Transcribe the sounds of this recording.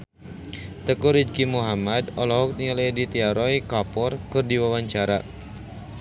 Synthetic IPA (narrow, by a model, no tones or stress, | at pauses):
t̪əkuɾid͡ʒkimuɦamadɔlɔɦɔk̚nialajdit̪iaɾɔjkapɔrkɨrdiwawaɲt͡ʃaɾa̰